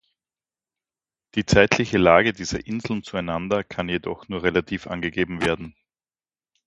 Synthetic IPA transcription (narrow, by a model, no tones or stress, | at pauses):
d̥iːt͡saɪtʰlɪçəlaːɡədiːz̥ɐʔɪnzl̩n̩t͡suæɪnandɐkʰanjedɔχnuːɐʁelatʰiːfʔa̰nɡəɡeːbm̩veːɐdn̩